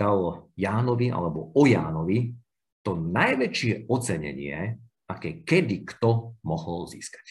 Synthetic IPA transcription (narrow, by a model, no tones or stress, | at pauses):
alɔjaːnɔʋiʔa̰lɛbɔɔjaːnɔʋi | t̪ɔnajʋɛt͡ʃɪɛɔt͡sɛɲɛ̰ɲɪɛ̰ | akɛːkɛd̪ikt̪ɔmɔɦɔlzḭːskḁc